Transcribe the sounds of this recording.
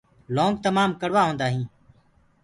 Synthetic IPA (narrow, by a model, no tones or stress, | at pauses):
lõːŋɡ̚t̪əmaːmkəɽʋaːɦõːnd̪aːɦĩː